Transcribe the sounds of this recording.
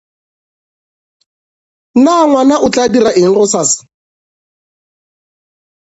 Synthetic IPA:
naŋwanaʔʊt͡ɬʼadiɾaʔɪŋ̩rʊsaːsɪ̥

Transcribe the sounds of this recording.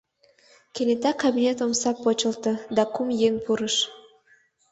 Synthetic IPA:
kenet̪ɑkabinʲet̪̬omsɑpːot͡ɕə̆lt̪əd̪ɑkumjeŋpʰuɾəʃ

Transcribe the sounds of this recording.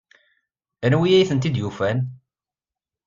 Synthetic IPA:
nwijæjiθənt̪id̪jufæn

